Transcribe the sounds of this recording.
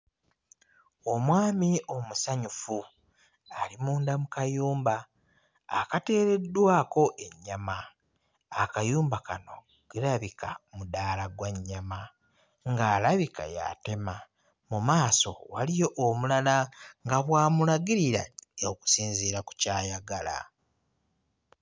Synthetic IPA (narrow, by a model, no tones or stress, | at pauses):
o̞mwaːmio̞musaɲufu | alimuːndamukajuːmbaː | kate̞ːɾe̞dːwaːko̞ʔe̞ɲːamaː | kajuːmbakano̞ | ɡ̥eɾaβikamudaːlaɡwaɲːama | ŋɡaːlaβika̰ja̰te̞ma | mumaːso̞̰walijo̞ʔomulalaŋɡaβwaːmulaɡiɾiɾa̰oku̥siːnziːɾaku̥caːjaɡala̰